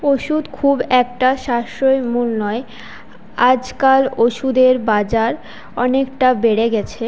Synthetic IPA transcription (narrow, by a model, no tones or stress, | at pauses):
oʃud̪kʰubɛk̚ʈaʃaʃoemulnɔe | ad͡ʑkaloʃud̪eɾbad͡ʑaɾ | ɔnekʈabeɽeɡɛt͡ɕʰe